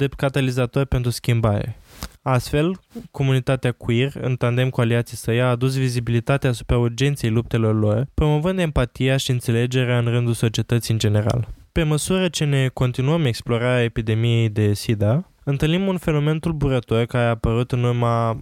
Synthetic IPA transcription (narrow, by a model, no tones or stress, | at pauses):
d̪ep̪kat̪alizat̪o̞rʲpe̞nt̪ɾuskʲimbaɾḛast̪fe̞lko̞munit̪at̪eakuirɨ̰nt̪and̪e̞mkualiat̪sijsəjaːd̪us̬vizibilit̪at̪eaːsu̥pɾaurd͡ʒe̞nt̪sie̞jlup̚t̪e̞lo̞rlo̞rpɾo̞mo̞vɨnd̪e̞mpat̪ijaʃiɨnt̪se̞le̞d͡ʒe̞ɾeaɨnrɨnd̪ulso̞t͡ʃie̞t̪ət̪siɨnd͡ʒe̞ne̞ɾa̰lpe̞məsuɾət͡ʃe̞ne̞ko̞nt̪inuəme̞ksplo̞ɾaɾeaepid̪e̞mije̞jd̪e̞sid̪a | ɨnt̪ɨlnimunfe̞no̞me̞nt̪ulbuɾət̪o̞rkaɾeapəɾut̪ɨnurma